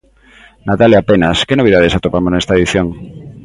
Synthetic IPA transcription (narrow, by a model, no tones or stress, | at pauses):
nat̪aleapenaskenoβiðað̞esat̪opamonɛst̪aɐeðiθjoŋ